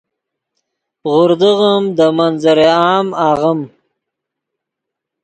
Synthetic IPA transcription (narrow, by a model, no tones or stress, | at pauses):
ʁʊɾd̪əɣəmd̪əmanzəɾeɑːmaːʁəm